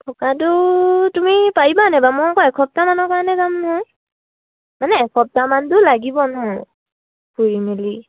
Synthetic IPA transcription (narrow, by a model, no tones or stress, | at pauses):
tʰɔkatʊtumipajibanɛbamɔɔkɔɛkʰɔp̚tamanɔkaɹanɛzamnɔɦɔj | manɛɛkʰɔp̚tamantʊlaɡibɔnɔ | puɹimili